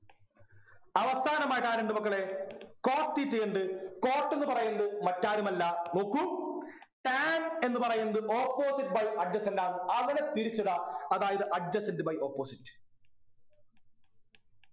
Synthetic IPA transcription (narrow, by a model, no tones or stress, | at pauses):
ɐʋɐst̪aːnɐmaːjiʈːaːɾeɳɖ̪ɨmɐkːɐɭe̞ko̞ːʈ̪ːitːijeɳɖ̪ɨko̞ːʈːe̞nːɨpɐrɐjunɐðɨmɐtːaːɾumɐlːɐnuːkːum | ʈaːne̞nːɨpɐrɐjunːɐðɨʔo̞ːpːo̞ːsiʈ̚ːbɐjɐɖd͡ʑɐsendaːnɨɐŋːɐnet̪iɾit͡ɕːuɽɐɐðaːjɐðɨʔɐɖ̚d͡ʑɐsendɨbɐjoːpːoːsitːɨ̥